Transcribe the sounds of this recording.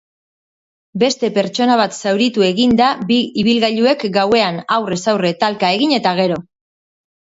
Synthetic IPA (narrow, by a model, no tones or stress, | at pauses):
be̞st̪e̞pe̞ɾt͡ʃo̞naβ̞at̪sawɾit̪ue̞ɣind̪abiiβ̞ilɣaʎue̞kɡawe̞anawre̞sawre̞t̪alkae̞ɣiɲe̞t̪aɣ̞e̞ɾo̞